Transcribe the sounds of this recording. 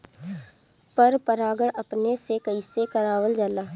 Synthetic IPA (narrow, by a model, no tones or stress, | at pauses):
pəɾpəɾaːɡəɽɐpnesekəisekəɾaːwəld͡ʒaːlaː